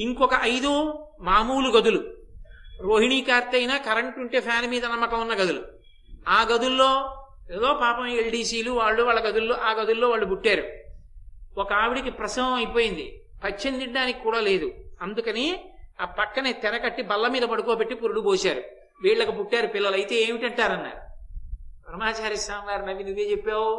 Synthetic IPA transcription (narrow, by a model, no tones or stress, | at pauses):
iŋkɔkɐʔɐjd̪umaːmuːluɡɐd̪ulu | ɾo̞ːɦiɳiːkaːɾt̪ɐjinaːkɐɾɐɳʈnuɳʈeːpʰjaːnmiːd̪ɐnɐmːɐkɐunːɐɡɐd̪ulṵ | aːɡɐd̪ulːoː | eːd̪o̞ːpaːpɐmelɖiːsiːluʋaːɭːuʋaːɭːɐɡɐd̪ulːoːʔaːɡɐd̪ulːo̞ːʋaːɭːubuʈːaːɾu | ɔkɐaːʋiɽikipɾɐsɐŋɡɐmɐjpo̞ːjind̪ḭ | pɐt͡ʃːend̪iɖaːnikikːuːɽaːle̞ːd̪uɐnd̪ukɐniaːpɐkːɐnet̪ɛɾɐkɐʈːibɐlːɐmiːd̪ɐbɐɽukoːpe̞ʈːipuɾuɽuboːsaːɾu | ʋiːɭːɐkupuʈːaːɾupilːɐlɐjt̪e̞ːeːmiʈɐɳʈaːɾɐnːa̰ːɾ | pɐɾɐmaːt͡ʃaːɾisaːmʋaːɾinɐʋinuʋːeːt͡ʃepːaːwu